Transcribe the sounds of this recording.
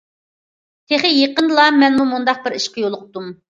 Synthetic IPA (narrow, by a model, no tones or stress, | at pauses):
t̪ʰeχɪjeqənlˠɑmɛnmumund̪ɑq̚bɪɾiʃqʰəjolˠʊq̚ʰt̪um